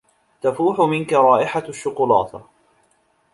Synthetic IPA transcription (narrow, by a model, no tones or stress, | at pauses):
t̪afuːħʊmɪnkaɾˤɑːʔɪħaʃːʊqʊlɑ̰ːt̪